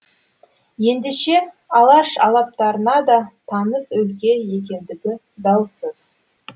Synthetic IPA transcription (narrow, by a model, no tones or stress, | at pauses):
je̞nd̪e̞ʃe̞ | ɑlˠɑʃɑ̰lˠɑp̚t̪ɑɾənɑd̪ɑt̪ʰɑnəzɵlkʲe̞je̞k̬ʲe̞nd̪ɪɡʲɪ | d̪ɑwsəz̥